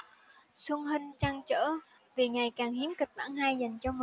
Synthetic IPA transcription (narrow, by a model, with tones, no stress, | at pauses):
swə˧nɦi˧ŋ̟t͡ɕa˧ŋt͡ɕə̰ː˧˥ | vi˨˩ŋa˨˩jkaː˨˩ŋhi˨˦mkï˨˩k̚ɓa̰ː˧˥nhaː˧jza˨˩jŋ̟t͡ɕɔ˧ŋo˨˩